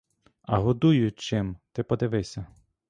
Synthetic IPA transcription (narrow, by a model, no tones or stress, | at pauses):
ɐɦɔd̪ujʊt͡ʃɪmt̪ɪpɔd̪ɪʋɪsʲɐ